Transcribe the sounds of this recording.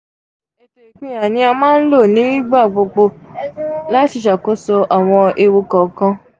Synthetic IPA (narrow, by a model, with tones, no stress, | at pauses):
ɛ˧te˨i˨k͡pĩ˨˦a˨nĩ˧a˧mãː˦n̩˦lo˦˨nĩ˨˦i˦ɡ͡ba˦˨ɡ͡bo˧k͡po˧ | la˦ti˨˧˨ʃa˨ko˨˦so˧ʔa˨w̃ɔ̃˧e˧wo˧kɔ˨kã˧